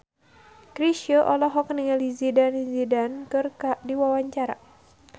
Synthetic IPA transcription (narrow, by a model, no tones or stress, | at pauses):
kɾiʃiɔʔɔlɔɦɔkniŋalizidanizidankɨrkadiwawaɲt͡ʃaɾa̰